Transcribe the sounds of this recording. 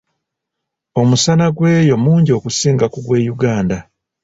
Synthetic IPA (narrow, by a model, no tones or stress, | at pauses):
o̞musanaɡwe̞ːjo̞muːɲɟio̞kusiːŋɡakuɡwe̞ːjuɡaːnda